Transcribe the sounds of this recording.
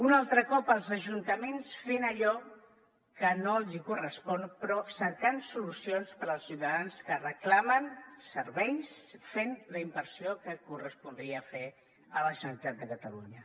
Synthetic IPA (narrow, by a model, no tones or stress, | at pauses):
unalˠt̪ɾəkɔpəlˠzəʒunt̪əmensfenəʎɔ | kənoəlˠzikurəspɔnpɾɔsəkansulusionspəɾəlˠsiwt̪əðanskərəklamənsəɾβɛjsfenləimbəɾsiokəkurəspund̪ɾiəfe | ələʒənəɾit̪at̪̚d̪əkət̪əlṵɲə